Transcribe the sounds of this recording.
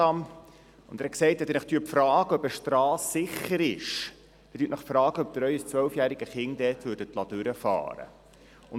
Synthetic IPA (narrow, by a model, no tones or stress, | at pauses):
ɑm | ʊndæɾhɛksɛɪthɛt̪ɛnɪχt̪yəpfɾɑːɡ̥əœbəʃtɾɑːsːɪχəɾɪʃ | b̥ɛtyːtnəχfɾɑːɡəœp̚d̥̪əɾœʏəst͡sʋœlfjæːɾiɡəχɪŋd̥̪ɛːtʋʏɾdətlɑdʉɾəfɑ̰ːɾə̰ | ʊn